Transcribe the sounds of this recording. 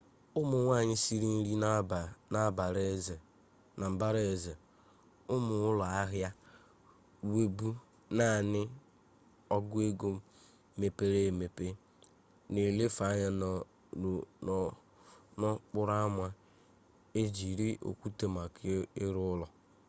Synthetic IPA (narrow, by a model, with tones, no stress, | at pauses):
ʊ˦mʊ˨ŋʷa˦˨ɲɪ˦si˦ɾi˦n̩˦ɾi˦˨na˦ba˨ɾe˦˨ | na˨m̩˨ba˦ɾe˦˨ze˨ | ʊ˦mʊ˨ʊ˦la˨a˦ɦja˦ | we˨bu˦ | na˦˨nɪ˦ | ɔ˦ɡʊ˦e˦ɡo˨ | me˨pe˦ɾe˦˨me˨pe˦ | ne˨le˦fa˨˦ɲa˦˨ | nɔ˦k͡pʊ˦ɾa˦mʷa˦ | e˦d͡ʒi˨ɾi˦ʔo̰˨kʷu˦te˨ma˨kɪ˦ɪ˦ɾʊ˦ʊ˦lɔ˨